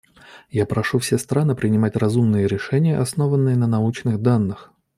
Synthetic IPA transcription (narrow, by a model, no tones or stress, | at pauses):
japɾɐʂufsʲest̪ɾanɨpɾʲɪnʲɪmatʲrɐzumnɨjəɾʲɪʂɛnʲɪjəʔɐsno̞vənːɨjənənɐut͡ɕnɨɣd̪anːɨx